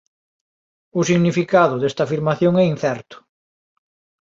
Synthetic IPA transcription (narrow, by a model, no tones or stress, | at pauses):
ʊsiɣnifikaðʊðest̪ɐafiɾmaθjoŋɛinθɛɾt̪ʊ̥